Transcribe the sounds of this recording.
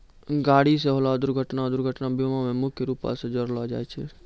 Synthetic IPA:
ɡaːɽis̬eɦolad̪ʊɾɡʱəʈnad̪ʊɾɡʱəʈnabjomamẽmʊkʰjəɾupa̰sed͡ʒəɾlɔd͡ʒa̰ːɛt͡ʃʰɛ

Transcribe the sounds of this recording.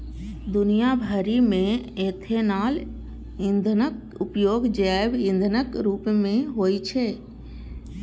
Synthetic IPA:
d̪ʊnijabʱəɾimẽ | eːt̪ʰenaːl | ɪ̃nd̪ʱnək | ʊpjoːɡd͡ʒɛbɪ̃nd̪ʱənəkɾuːpmẽɦoːit͡ʃʰe

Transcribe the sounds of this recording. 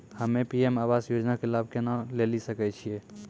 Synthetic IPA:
həmẽpiemaʋasjod͡ʒnakelab̚ʱkenalelisəkɛt͡ʃʰie

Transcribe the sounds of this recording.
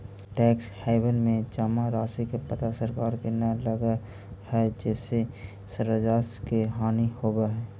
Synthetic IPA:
ʈɛːkshaːɪbənmẽd͡ʒaːmaɾaːsikepət̪asəɾkaːɾd̪eːnaləɡa | hɛd͡ʒɛːse | səɾəd͡ʒaːskeɦaːnihoːbaɦɛː

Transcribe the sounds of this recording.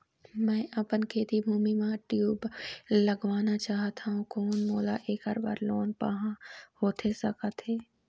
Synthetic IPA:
mɛ̃ːʔɐpənkʰeːt̪ibʱuːmimãʈjuːbləɡʋaːnat͡ʃaːɦt̪ʰaɦũkʰoːnmoːlaʔeːkəɾba̰ɾloːnpə̰ɦãhoːt̪ʰesɐkət̪ɦeː

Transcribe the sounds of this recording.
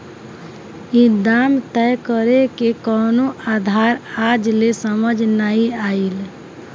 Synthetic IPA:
id̪amt̪ɛjkəɾekekɔːnoad̪ʱaɾad͡ʒlesəməd͡ʒʱnaiail

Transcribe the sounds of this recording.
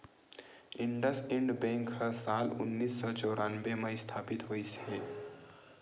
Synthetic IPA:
ɪ̃ɳɖəsẽɳɖbẽŋkɦəsaːlʊ̰nːiːsːɔt͡ʃɔːɾʔaːnbemə̃st̪ʰaːpit̪ɦoːise

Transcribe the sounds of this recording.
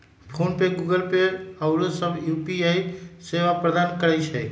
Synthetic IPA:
pʰoːnpeɡuɡəlpeəʊɾosəbʱjuːpiaiseʋapɾəd̪aːnkəɾəjt͡ʃʰɛ

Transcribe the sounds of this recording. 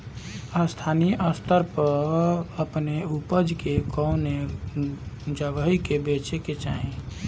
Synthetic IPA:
əst̪ʰaniʔəst̪ʰəɾpəəpneupəd͡ʒkekɔʊne | d͡ʒəɡəɦikebet͡ʃeket͡ʃaɦẽ

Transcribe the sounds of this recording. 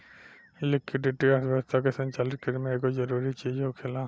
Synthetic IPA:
lɪkɪɖɪʈiəʋjəwəst̪ʰakesə̃ɲt͡ʃaːlɪt̪̚kəɾmẽekozəɾuːɾit͡ʃiːd͡ʒɦokʰelaː

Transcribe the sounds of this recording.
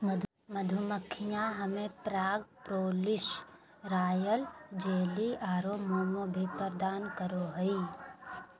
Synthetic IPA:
məd̪ʱʊməkʰːijãɦəmẽpɾaːɡpɾoːlɪʃ | ɾaːjəld͡ʒeːliʔaːɾoːmoːmobʱipəɾd̪aːnkəɾoɦəi

